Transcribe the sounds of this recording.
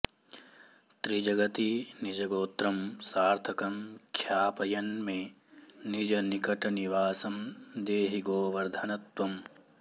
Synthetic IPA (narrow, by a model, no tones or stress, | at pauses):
t̪ɾid͡ʒɐɡɐt̪inid͡ʒɐɡoːt̪ɾɐmsaːɾt̪ʰɐkɐmkʰjaːpɐjɐnme | nid͡ʒɐnikɐʈɐniʋaːsɐmd̪eːɦiɡoːʋɐɾd̪ʱɐnɐt̪ʋɐm